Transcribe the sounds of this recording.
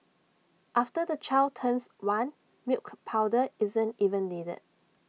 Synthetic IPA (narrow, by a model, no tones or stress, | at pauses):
ʔaftədət͡ʃaɪltʰə̃nswãn | mikpʰawdəizə̃nivə̃nlidə̰t̚